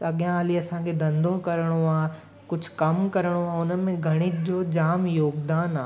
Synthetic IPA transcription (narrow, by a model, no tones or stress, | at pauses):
ɐɠjãaːliɐsãkʰed̪ɐ̃nd̪ʱõkɐɾɽ̃oaː | kʊd͡ʑʱkɐmkɐɾɽ̃oaːʊnəmẽɡʱɐɽ̃ɪd͡ʑoːd͡ʑaːmjoːɡd̪aːnaː